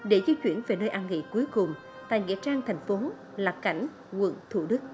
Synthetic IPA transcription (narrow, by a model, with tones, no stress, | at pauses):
ɗe˧˩zi˧t͡ɕwḭ˧˩ənve˨˩nəː˧jʔaː˧nŋḭ˧˥ku˨˦əjkʊ˨˩ŋ͡m | t̪a̰ː˧˨jŋḭ˧˥ət͡ɕaː˧ŋt̪ʰa˨˩jŋ̟fo˨˦ | laː˨˩ka̰˧˩jŋ̟ | ɣwə̰˧˨nt̪ʰu˧˩ɗɨ˦˥k̚